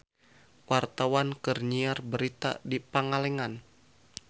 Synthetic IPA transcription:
wart̪awankərɲiarbəɾit̪a̰dipaŋalɛŋan

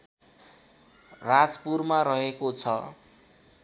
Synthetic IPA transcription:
rad͡zpurmarʌɦekot͡sʰʌ

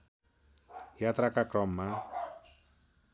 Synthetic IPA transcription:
jat̪ɾakakrɔmːa

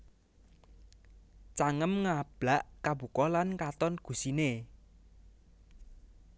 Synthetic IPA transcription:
t͡ʃaŋəmŋab̥laʔkabṳkɔlankat̪ɔnɡ̥ṳsine

